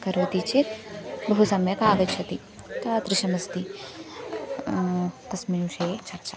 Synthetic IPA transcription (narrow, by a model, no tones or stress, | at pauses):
kɐɾot̪it͡ʃʰit̪bɐɦusɐmjɐkaːɡɐt͡ʃʰɐt̪i | t̪ɐt̪ɾiʃɐmɐst̪i | t̪ɐsmiuʃeːt͡ʃɐɾt͡ʃa